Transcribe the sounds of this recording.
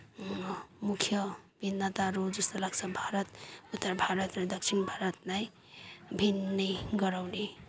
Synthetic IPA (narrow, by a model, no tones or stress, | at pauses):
mukʰjʌbinːət̪aɾod͡ʒʌst̪əlaksabʱaɾʌt̪ut̪ːəɾbʱaɾʌt̪nad̪ʌksʰinbʱaɾʌt̪naj | bʱinnəjɡʌɾawni